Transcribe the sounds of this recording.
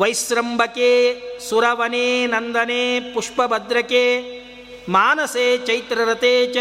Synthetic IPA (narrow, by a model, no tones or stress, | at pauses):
ʋɐjsɾɐmbʱɐkeːsuɾɐʋɐneːnɐnd̪ɐneːpuʂpɐbɐd̪ɾɐkeː | maːnɐseːt͡ʃɐjt̪ɾɐɾɐt̪eːt͡ʃ